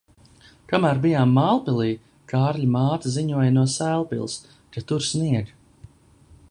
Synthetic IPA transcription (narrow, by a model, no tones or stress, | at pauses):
kamæːɾbijaːmːaːlˠpilˠiː | kʰaːɾʎʲimaːt̪aziɲuɔjnuɔsæːlˠpḭlˠs | kat̪uɾsniɛɡ